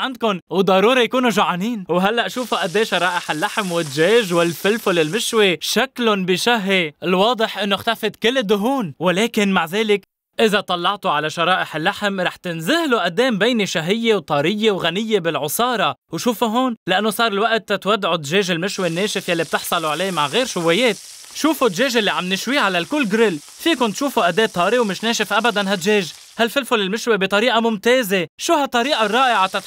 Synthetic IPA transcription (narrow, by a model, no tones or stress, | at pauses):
ʕand̪̚kʊnwd̪ˤɑɾuːɾijakuːnuʒaʕaniːnwɦalːaʔʃuːfuʔad̪ːeːʃɑɾˤɑːʔɪħɪlːaħmwɪd̪ʒeːʒwɪlfɪlfʊlɪlmɪʃweʃaklʊnbɪʃaɦeɪlwɑːd̪ˤɨħʔɪnːoxt̪afɪd̪kɪlːɪd̪ːʊɦuːnwɪleːkɪnmaʕzeːlɪk | ʔɪzat̪ˤɑlːɑʕt̪uʕalaʃɑɾˤɑːʔɪħɪlːaħmɾˤɑːħt̪ɪnzɪhluʔad̪ːeːmbeːniʃaɦɪjːewt̪ˤɑːɾɪjːewɣanɪjːebɪlʕʊsˤɑːɾˤɑwʃuːfuɦoːnlaʔanːosˤɑːɾˤɪlwaʔt̪ːat̪wad̪ʕud̪ʒeːʒɪlmɪʃwenːeːʃɪfjalːib̚t̪ɪħsˤɑluʕleːmaʕɣeːɾʃʊwːeːjeːt̪̚ | ʃuːfud̪ʒeːʒɪlːiʕamnɪʃwiːʕalalkʊlːɡɾɪl | fiːkʊnt̪ʃuːfuʔad̪eːt̪ˤːɑːɾiwmɪʃneːʃɪfʔabad̪anɦat̪ʒeːʒ | halfɪlfʊlɪlmɪʃwebit̪ˤɑɾiːʔamʊmt̪eːzeʃuːhat̪ˤːɑɾiːʔɑrˤːɑːʔɪʕat̪at̪